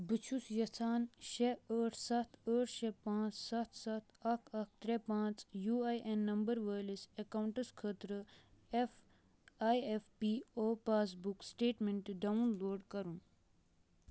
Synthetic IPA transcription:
bɨt͡ʃʰusjɐt͡sʰaːnʃeəːʈʰsɐt̪ʰəːʈʰʃepãːt͡ssɐt̪ʰsɐt̪ʰɐkʰɐk̚ʰt̪ɾepãːt͡sjuːajʔenːɐmbɐɾʋəːlisekɐwɳʈɐskʰəːt̪ɾɨef | aːjefpiːoːpaːs̬buksʈeːʈmeɳʈɖɐunloːɖkɐɾun

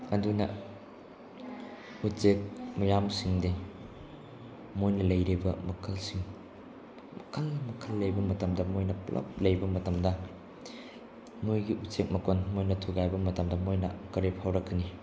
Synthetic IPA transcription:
ɐdunɐ | utt͡ʃek̚mɐjamsiŋde | mojnɐlɐjɾibɐmɐkʰɐlsiŋ | mɐkʰɐlmɐkʰɐlːɐjbɐmɐtɐmdɐmojnɐplɐ̰p̚lɐjbɐmɐtɐmdɐ | mojɡiutsek̚mɐkonmojnɐtʰuɡajbɐmɐtɐmdɐmojnɐ̰kɐɾepʰawɾɐkːɐni

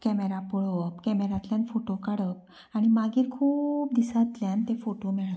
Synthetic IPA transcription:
kɛmeɾapuɭopkɛmeɾat̪ljanfoʈokaɽək | aɽ̃imaɡiːɾkʰuːp̚d̪isat̪ljant̪efoʈomɛɭa

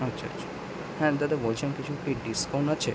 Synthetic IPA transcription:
ɐtːʰatːt͡ʃʰḁ | hɛ̃t̪at̪ebolt͡ʃʰenkit͡ʃʰukiɖiskawnat͡ɕʰe

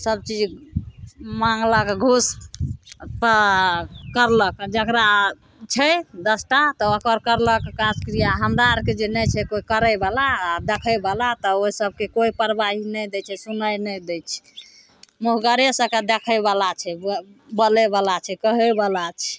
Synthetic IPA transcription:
səb̚t͡ʃid͡ʒ | mãŋɡləkɡʱus | p | kəɾləkd͡ʒəkɾa | t͡ʃʰɛd̪əsʈat̪ɔokəɾkəɾləkkːãskɾijaɦəmɾaɾked͡ʒenɛt͡ʃʰɛkoikəɾəbalaːd̪ekʰəbalat̪ɔoisəb̚kekoipəɾbaɦinəjd̪ɛt͡ʃʰɛsunəjnɛjd̪ɛt͡ʃʰɛ̥ | muɦɡəɾesəkad̪ekʰəjbalat͡ʃʰɛ | bəlɛbalat͡ʃʰɛkəɦəbalat͡ʃʰɛ

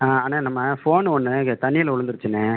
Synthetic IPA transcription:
aːaːnãːnɐmːɐfoːnɔnːɯt̪ɐnɪjɪlʊɻɯnd̪ɯɾɯt͡ʃːɯnːe

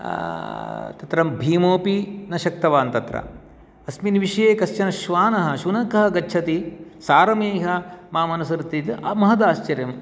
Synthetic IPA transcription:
t̪ɐt̪ɾɐmbʱiːmoːpinɐʃɐk̚t̪ɐʋaːnt̪ɐt̪ɾɐ̰ | ɐsminʋiʃɐjeːkɐst͡ʃɐnɐʃʋaːnɐɦɐ̆ʃunɐkɐɦɐ̆ɡɐtːt͡ʃʰɐt̪isaːɾɐmeːɦɐmaːmɐnɐsɐɾt̪it̪ʔɐ̰mɐɦɐd̪aːʃt͡ʃɐɾjɐm

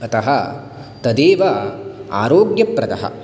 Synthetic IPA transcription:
ɐt̪ɐɦɐ | t̪ɐd̪eːʋɐa̰ːɾoːɡjɐpɾɐd̪ɐ̰ɦɐ̰

